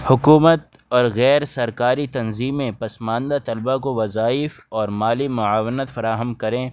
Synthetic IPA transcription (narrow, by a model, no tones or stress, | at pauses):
hʊkuːmət̪ | ɔːɾɣɛːɾsɐɾkaːɾit̪ɐnziːmẽpɐsmãːnd̪at̪ɐlbakoʋɐzaːɪf | ɔːɾmaːlimʊaːʋənət̪fɐɾaːɦəmkɐɾẽː